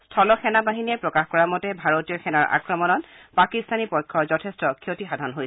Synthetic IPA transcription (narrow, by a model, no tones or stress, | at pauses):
stʰɔlɔxɛnabaɦiniɛpɹɔkaxkɔɹamɔtɛbʱaɹotijɔxʰɛnaɹa̰kɹɔmɔnɔtpakistanipɔjkʰːɔzɔtʰestɔkʰiotixadʱɔnɦojsɛ